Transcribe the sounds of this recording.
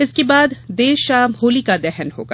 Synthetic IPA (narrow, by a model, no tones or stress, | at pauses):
ɪskebaːd̪ːeːʃʃaːmɦoːlikad̪ɛɦɛnɦo̰ːɡa